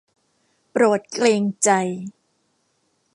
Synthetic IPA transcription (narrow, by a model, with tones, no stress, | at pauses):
pɾoː˨˩t̪̚kleː˧ŋt͡ɕa˧j